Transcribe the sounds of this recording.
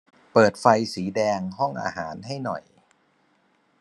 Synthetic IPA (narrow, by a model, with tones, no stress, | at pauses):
pɤː˨˩t̪̚fa˧jsiː˩˦dɛː˧ŋɦɔ˥˩ŋʔa̰ː˧ɦaː˩˦nɦa˥˩jnɔ̰˨˩j